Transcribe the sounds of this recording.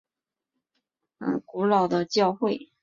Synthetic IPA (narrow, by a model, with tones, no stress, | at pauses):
ə̰˧˩ku˧˥lɑ˨˩ʊd̪ə˦t͡ɕjɑ˥˧ʊxwe˥˩ɪ